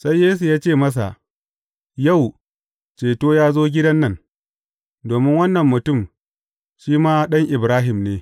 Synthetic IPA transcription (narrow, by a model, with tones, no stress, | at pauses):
sa˦jːeː˦s̬u˨jaː˦t͡ʃeː˦˨mɐ˦s̬a̰˨ʔ | jɐ˦˨w | t͡ʃeː˨toː˦jaː˦zoː˦ɡʲɪ˦dɐ˦nːɐ˦˨ŋ | doː˨mɪ˦ŋwɐ˦nːɐ˨mːʊ˨tʊ˦˨m | ʃiː˦maː˦ɗɐ˦ŋʔɪ˨bɾaː˦ɦɪ˨mneː˨